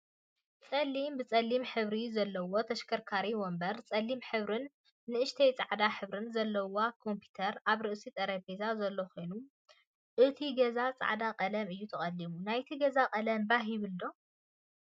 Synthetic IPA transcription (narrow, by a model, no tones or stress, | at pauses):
t͡sʼɐlːimbɨt͡sʼɐlːimħɨβɾizɐlːɐwot̪ʰɐʃkʰɐɾkʰaɾiwombɐɾt͡sʼɐlːimħɨβɾɨnː | ɨʔɨʃt̪ʰejt͡sʼa̰ʕd̪aħɨβɾɨnzɐlːɐwakʰo̞mpʰu̥t̪ʰɐɾaβɾɨʔsit̪ʼɐɾɐpezazɐlːoxojnu | ʔɨt̪ʰiɡɐzat͡sʼa̰ʕd̪aqʼɐlɐmɨjːut̪ʰɐχʼɐlːimunajt̪ʰiɡɐzakʼɐlɐmbaɦjɪβɨld̪o̞